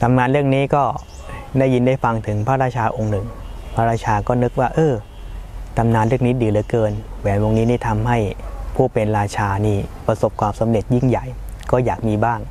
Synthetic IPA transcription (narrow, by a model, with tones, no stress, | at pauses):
t̪ʰa˧mnŋaː˧nɾɯ˥˩əŋniː˦˥kɔː˥˩ | daː˥˩ji˧ndaː˥˩jfa˧ŋt̪ʰɯ˩˦ŋpʰaː˥˩ɾaː˥˩t͡ɕʰaː˧ʔo˧ŋnɯ˨˩ŋpʰaː˥˩ɾaː˥˩t͡ɕʰaː˧kɔː˥˩nɤ˦˥k̚waː˥˩ʔɤː˧ | t̪ʰa˧mnaː˧nlɾɯ˥˩əŋniː˦˥diː˧˩lɯː˨˦jkɤː˧nwɛː˨˦nwo˧ŋniː˦˥niː˥˩t̪ʰa˧mɦa˥˩jpʰuː˥˩pe˧nɾaː˧t͡ɕʰaː˧niː˥˩pɾa˧so˨˩p̚kʰwaː˧msa˨˦mɾe˨˩t̪̚ji˥˩ŋja˨˩j | kɔː˥˩jaː˨˩k̚miː˧baː˥˩ŋ